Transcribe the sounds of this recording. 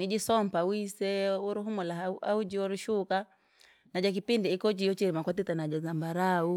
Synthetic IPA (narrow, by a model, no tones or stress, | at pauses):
nid͡ʒisɔmpawisɛuɾuɦumɔlaa̰ud͡ʒiɔɾiʃuka | nad͡ʒak̬ipindiikɔt͡ʃijɔt͡ʃiɾimakwatitanad͡ʒazambaɾau